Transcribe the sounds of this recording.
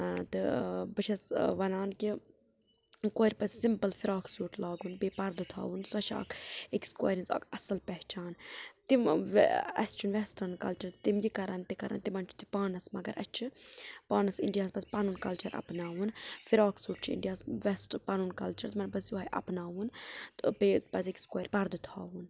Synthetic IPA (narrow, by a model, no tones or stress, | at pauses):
t̪ɨbɨt͡ʃʰɐsʋɐnaːnki | koːɾʲpɐssimpəlfiɾaːksuːʈlaːɡunbeːpɐɾd̪ut̪ʰa̰ːʋunsɐʃa̰ːkʰeksko̰ːɾĩnsa̰ːkɐsɐlpɛɦt͡ʃaːnt̪imʋɐ̰st͡ʃʰunʋɛsʈɐnkɐlt͡ʃɐɾt̪imɡikɐɾɐnt̪ikɐɾʔɐ̰nt̪imɐnt͡ʃʰu̥t̪i̥paːnɐsmɐɡɐ̰ɾʔɐ̰t͡ʃʰɨpaːnɐsḭɳɖijaːspɐsʲpɐnuːnkɐlt͡ʃɐɾʔɐ̰pnaːʋunfiɾaːksuːʈt͡ʃʰḭɳɖijaːsʋɛsʈpɐnuːnkɐlt͡ʃɐɾt̪mɐnpɐsjuɐjʔɐ̰pnaːʋunt̪peːpɐsikskːɾʲpɐɾd̪ut̪ʰaːʋun